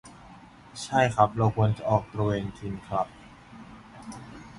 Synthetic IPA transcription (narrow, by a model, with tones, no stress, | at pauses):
t͡ɕʰa˥˩jkʰɾa˦˥p̚ɾa˧ko˧nt͡ɕa˨˩ʔɔː˨˩k̚t̪ɾa˧weː˧ŋt̪ʰi˧nkʰɾa˦˥p̚